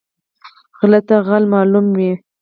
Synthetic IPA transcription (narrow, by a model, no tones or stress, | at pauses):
ɣlat̪aɣalmɑlumwi